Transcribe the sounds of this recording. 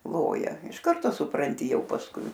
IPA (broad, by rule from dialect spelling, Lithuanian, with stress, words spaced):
ˈlˠoːjɛ ɪʃ ˈkɐrtoː sʊprɐnʲˈtʲɪ ˈjɛʊ pɐsˈkʊɪ